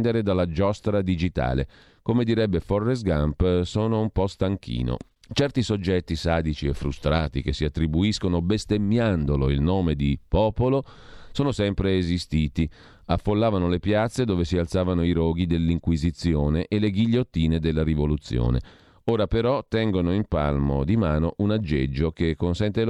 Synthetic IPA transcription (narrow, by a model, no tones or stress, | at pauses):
nd̪eɾed̪alːad͡ʒɔst̪ɾad̪id͡ʒit̪a̰ːlḛ | komed̪iɾɛbːeforːesɡampsoːnoumpɔst̪aŋk̟ʰḭːno̰ | t͡ʃɛrt̪isod͡ʒːɛt̪ːisaːd̪it͡ʃiefːɾṵst̪ɾaːt̪ik̟esːiat̪ːɾibuiskonobest̪emːjand̪oloilnoːmed̪ipɔːpolo | soːnosɛmpɾeːzist̪iːt̪i | afːolːaːvanolepjat̪sːed̪oːvesialt̪saːvanoiɾoːɡid̪elːiŋkwizit̪sjoːneʔeleɡiʎːot̪ːiːned̪elːaɾivolut̪sːjo̰ːnḛ | oːɾapeɾɔt̪ɛŋɡonoimpa̰lmo̰d̪imaːnoʔunad͡ʒːed͡ʒːokekːonsɛnt̪el